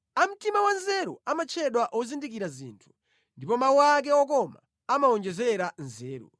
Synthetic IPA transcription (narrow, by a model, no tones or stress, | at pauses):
am̩timawanzɛɾɔamat͡ʃʰɛɗwaʔɔzindik̬iɾazḭːntʰu̥ | ndipɔmauak̬ɛɔk̬ɔma | amaɔnd͡ʒɛzɛɾanzɛːɾṵ